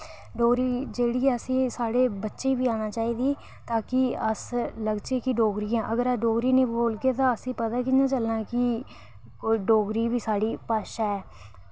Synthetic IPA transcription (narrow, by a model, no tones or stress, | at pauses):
ɖoːɡɾiːd͡ʒeːɽiːəsĩːsaːɽeːbətːʃẽːbiːaːñaːt͡ʃaːiːd̪iː | t̪ãːkɪəsləɡt͡ʃeːkɪɖoːɡɾiːãːʔəɡəɾaːɖoːɡɾiːnĩːboːlɡeːt̪ãːəsĩːpət̪aːkinãːt͡ʃəlnãːkɪ | koɖoːɡɾiːʋiːsaːɽiːpaːʃaɛː